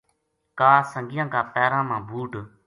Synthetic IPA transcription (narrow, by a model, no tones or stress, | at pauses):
kaːsəŋɡɪjãːkaːpɛːɾãːmãːbʱuːʈ